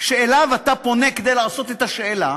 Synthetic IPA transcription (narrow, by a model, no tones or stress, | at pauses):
ʃeːlavat̪apo̞ne̞ked̪e̞jlaːso̞t̪et̪aʃeːla